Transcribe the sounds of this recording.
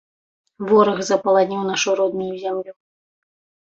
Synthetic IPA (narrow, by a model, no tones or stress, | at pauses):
vɔɾɐxzɐpɐlˠad̪nʲiwnaʂuɾɔd̪nʲujuzʲamlʲu